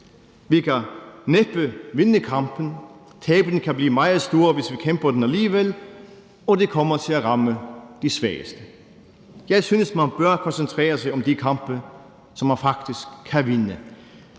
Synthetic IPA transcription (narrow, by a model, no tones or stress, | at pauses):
ʋikʰæneb̥əʋe̝nəkʰɑ̈mb̥ən̩ | t͡sʰɛːb̥lən̩kʰæbliːmɑ̈ɪð̩ˠsd̥o̝ːɐʋe̝sʋikʰemb̥ɐd̥enæliːəʋel | ɒ̽de̝kʰɒ̽mɐt͡sʰe̝læʁɑ̈məd̥isʋæɐəsd̥ə | jɑɪsyːnəsmænb̥ɶɐkʰɒ̽nsənt͡sʰʁɛ̰ːɐsɑɪɒ̽md̥ikʰɑ̈mb̥ə | sɒ̽mːænfɑ̈ɡ̥̚d̥isɡ̥̚ʰæʋe̝nə